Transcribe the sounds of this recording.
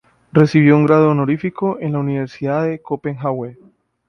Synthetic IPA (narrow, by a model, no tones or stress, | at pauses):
re̞siβ̞jo̞uŋɡɾaðonoɾifiko̞ʔe̞nlauniβe̞ɾsiðaðe̞kope̞ŋxawe